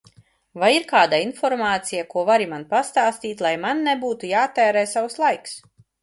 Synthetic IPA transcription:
vajiɾkaːd̪ainfɔɾmaːt̪sijakuɔvaɾimanpast̪aːst̪iːt̪ʲlˠajmanːɛbuːt̪ujaːt̪ːɛːɾɛːsawslˠajks

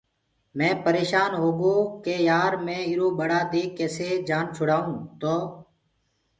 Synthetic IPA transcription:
mɛ̃ːpəɾeːʃaːnɦoːɡoːkeːjaːɾmẽːɪɾoːɓəɽaːd̪eːkeːseːd͡ʒaːnt͡ʃʰʊɽaːũːt̪oː

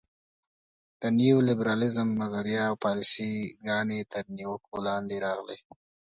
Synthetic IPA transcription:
d̪̥əniulɪbɾɑlɪzəmnazaɾijɑːwpɑlɪsiɡɑnet̪əɾniwəkolɑnd̪eɾɑɣlḛ

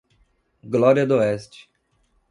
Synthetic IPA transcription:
ɡlɔɾiɐd̪oɛst͡ʃɪ̥

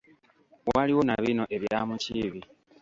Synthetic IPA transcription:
waliwo̞na̰βino̞ʔe̞βjamuciβi

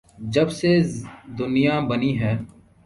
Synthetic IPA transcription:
d͡ʒəbsed̪ʊnɪjaːbəniːɦɛː

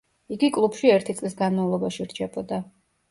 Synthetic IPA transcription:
iɡikʼlˠupʃiɛɾt̪ʰit̪sʼlisɡanmavlˠɔbaʃiɾt͡ʃʰɛbɔd̪a

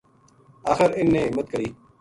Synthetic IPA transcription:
a̰ːxəɾɪnːẽːmət̪̚kəɾiː

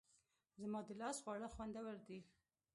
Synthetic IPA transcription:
zəmɑd̪əlɑsɣwɑɽaxwand̪awaɾd̪i

